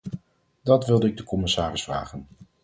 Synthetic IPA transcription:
d̥ɑtʋɪlˠdəɪɡ̚dəkɔmɪsaːrɪsfra̰ːχən

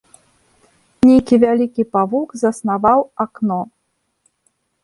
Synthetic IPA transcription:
nʲejkʲivʲalʲikʲipavukzɐsnavawaknɔ

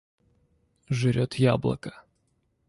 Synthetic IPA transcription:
ʐɨɾʲot̪ja̰blˠɐ̰kə

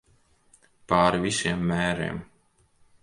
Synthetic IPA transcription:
paːɾvʲisiɛmːæːɾḛːm

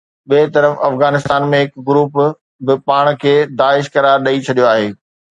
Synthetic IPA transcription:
ɓeːt̪ɐɾəfɐfɣaːnɪst̪aːnmẽɦɪkɡʊɾuːp | bɪpaːɽ̃kʰeːd̪aːɪʃkɐɾaːɾɗɐit͡ɕʰɐɗijoaːɦeː

